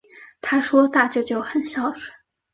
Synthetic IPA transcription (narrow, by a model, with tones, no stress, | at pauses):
t̪ʰa˥ʂwɔ˥t̪a˥˧t͡ɕjo˥˧ʊt͡ɕjo˥˩ʊxə˨˩nɕjɑ˥˩ʊʂə̥˨˩˦